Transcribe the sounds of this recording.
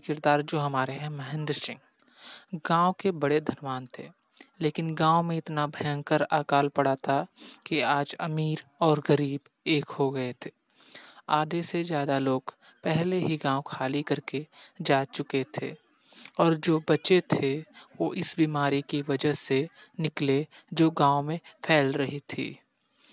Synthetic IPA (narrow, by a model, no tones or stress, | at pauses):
kɪɾd̪aːɾd͡ʒoːɦɐmaːɾeɦɛ̃məɦɪ̃nd̪ɾsɪ̃ŋɡ | ɡãːwkebɐɽed̪ʱɐnʋaːnt̪ʰeː | leːkɪnɡãːwmẽɪt̪nabʱəjə̃ŋɡkəɾaːkaːlpəɽ̤at̪ʰakiaːd͡ʒɐmiːɾɔːɾɡəɾiːb | eːkɦoɡɐet̪ʰeː | aːd̪esezjaːd̪aloːɡ | pɛɦleɦiɡãːwõkʰaːlikɐɾked͡ʒaːt͡ʃʊket̪ʰḛː | ɔːɾd͡ʒoːbɐt͡ʃet̪ʰeʋoʔɪsbiːmaːɾikiʋɐd͡ʒəsenɪkle | d͡ʒoːɡãːomẽpʰɛːlɾɐɦit̪ʰḭː